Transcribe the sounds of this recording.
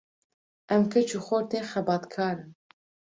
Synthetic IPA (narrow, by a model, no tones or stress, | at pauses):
ʔɛmkʰɛt͡ʃʰuxoːɾt̪eːxɛbɑːt̪kʰɑːɾɨm